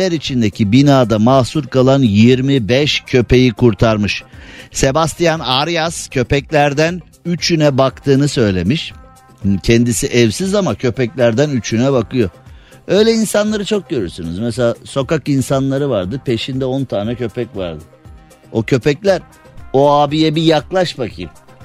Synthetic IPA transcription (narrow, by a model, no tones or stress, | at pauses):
ɛɾit͡ʃʰind̪ecʰibinaːd̪amaːsuɾkʰalˠanjiɾmibɛʃcʰø̞pe̞jikʰuɾt̪ʰaɾmɯʃse̞bast̪ʰijanaɾjascʰø̞pɛclʲæɾd̪æn | yt͡ʃʰynɛbakt̪ʰɯːnɯsø̞jlʲe̞miʃ | hcʰɛnd̪isiʔɛvsizamacʰø̞pɛclʲæɾd̪ænyt͡ʃʰynɛβakʰɯjo̞ | ø̞jlʲɛinsanlˠaɾɯt͡ʃʰok̚ɟø̞ɾyɾsyny̰zmɛselʲaːso̞kakinsanlˠaɾɯvaɾd̪ɯpʰe̞ʃind̪ɛo̞nt̪ʰaːnɛcʰø̞pɛcva̰ɾd̪ɯ | o̞cʰø̞pɛclʲæɾ | oaːbijɛbijaklˠaʃbakʰɯ̰m